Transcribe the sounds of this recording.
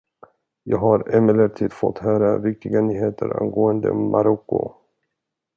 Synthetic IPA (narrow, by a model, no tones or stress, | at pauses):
jɑːɡɦaɾɛmɛləʈ̪ʰiːd̪fɔt̪hœːɾavɪk̚t̪ɪɡanyːɦeːt̪ʰəɾa̰nɡoːənd̪ə̰mʔaɾɔkːʊ̰